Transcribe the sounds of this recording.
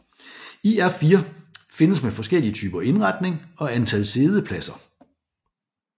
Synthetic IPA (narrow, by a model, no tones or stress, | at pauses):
iæɐfiːɐfe̝nəsmefɒ̽sɡ̥el̰iət͡sʰy̰ːb̥ɐʔe̝nʁɑ̈d̥ne̝ŋɒ̽ænt͡sʰæl̰se̝ːð̞ˠəpʰlæsɐ